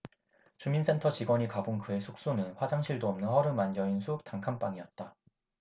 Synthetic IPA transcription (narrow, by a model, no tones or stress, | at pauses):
t͡ɕuminsʰe̞ntʰʌt͡ɕiɡwʌɲikabonkɯe̞sʰuk̚s͈onɯnɸwad͡ʑaŋɕʰiɭdoʌmnɯnhʌɾɯmanjʌinsʰutaŋkʰanp͈aŋiʌt̚t͈a